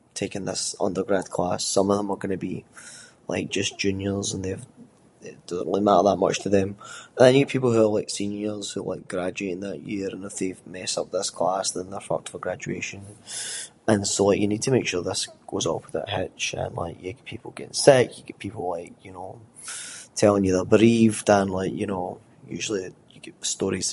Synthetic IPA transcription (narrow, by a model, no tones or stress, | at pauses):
tʰekə̃nðɪsʌ̰̃ndə˞ɡɹad̚kʰl̥asːʌ̃mʌvðə̃mə˞ɡʌnəbi | lˠa̰ɪk̚d̥ʒ̥ʌsd̥ʒ̥ʉ̃njə˞zə̃nðev | ɪd̥ʌzə̃nʔlˠimaʔə˞ðəʔmʌ̰t͡ʃtʰəðə̃mə̃nəɪnjɨpʰipl̩ˠhʉə˞lˠaɪksĩnjə˞z̥hʉlˠa̰ɪk̚ɡ̥ɹad͡ʒʉeʔɪ̃ŋðəʔjiɹə̃nɪfðevmɛsʌ̰p̚ðɪskʰl̥asðə̃nðə˞fʌ̰k̚tʰəvəɡɹad͡ʒʉeʃə̃n | ə̃nsolˠaɪkjənid̚tʰəmekʃʉɹðɪsɡ̥ozɔpwəðə̰ʔɦɪt͡ʃə̰̃nlˠa̰ɪkjəkpʰipʰl̩ˠɡɛʔɪ̰̃ŋsɪkjəɡɛpʰipʰl̩ˠlˠaɪkjɨno | tʰɛlˠɪ̃ŋjɨðə˞bəɹivdə̃nlˠaɪkjɨno | jʉ̰ʒl̩ˠi | jəɡ̥ɛʔəstɔɹiz̥